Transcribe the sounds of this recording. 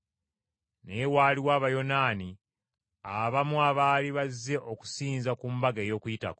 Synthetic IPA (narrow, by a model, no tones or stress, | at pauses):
newaːliwaːβajo̞naːni | aβamuaβaːliβazːe̞ʔo̞ku̥siːnzakumbaɡe̞ːjo̞ːkujita̰ko